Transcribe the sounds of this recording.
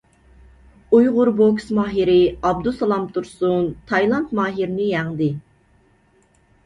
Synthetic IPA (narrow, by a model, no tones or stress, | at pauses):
ujʁʊɾboksmɑːɦiɾɪɑb̚d̪usɑlˠɑmt̪ʰuɾsunt̪ʰɑjlˠɑnt̪mɑːɦiɾnɪjɛŋd̪ɪ